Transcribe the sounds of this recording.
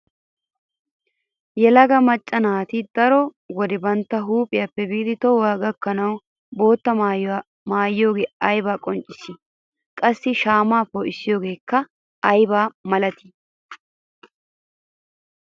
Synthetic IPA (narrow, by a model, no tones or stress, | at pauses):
jɛlɐɡɐmɐt͡ʃʼːɐnaːt̪ɪd̪ɐɾɔ | wɔd̪ɛbɐnt̪ːɐɦuːpʼɪjaːpːɛbiːd̪ɪt̪ɔwaːɡɐkːɐnɐw | bo̞ːt̪ːɐ | maːjɪjo̞ːɡeːɐjbaːkʼɔnt͡ʃʼɪsɪ | kʼɐsːɪʃaːmaːpɔʔɪsːɪjo̞ːɡe̞ːkːɐ | ɐjbaːmɐlɐt̪ɪ̥